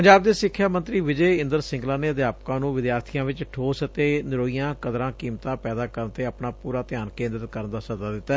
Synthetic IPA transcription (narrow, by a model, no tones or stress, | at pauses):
pəɲd͡ʒaːbd̪eːsɪkʰːjaːmə̃nt̪ɾiːʋɪd͡ʒəeːɪ̃nd̪əɾsɪ̃ŋɡlaːneːəd̪jaːpkãːnũːʋɪd̪jaːɾt̪ʰijãːʋɪt͡ʃʈʰoːsət̪eːnɪɾoːijãːkəd̪ɾãːkiːmt̪ãːpɛːd̪aːkəɾənt̪eːəpnaːpuːɾaːt̪ɪjaːnkẽːnd̪əɾət̪kəɾənd̪aːsəzaːd̪ɪt̪ːaː